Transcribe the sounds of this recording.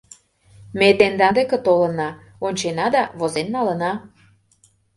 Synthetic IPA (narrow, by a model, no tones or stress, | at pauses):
met̪end̪ɑnd̪ekĕt̪olənɑ | onʲt͡ɕenɑd̪ɑβozenːɑlənɑ